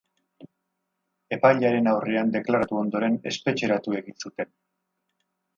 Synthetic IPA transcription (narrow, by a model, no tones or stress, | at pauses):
e̞pajʎaɾe̞nawreand̪e̞klaɾat̪uo̞nd̪o̞ɾe̞ne̞̰spe̞t͡ʃe̞ɾat̪ue̞ɣinsut̪e̞n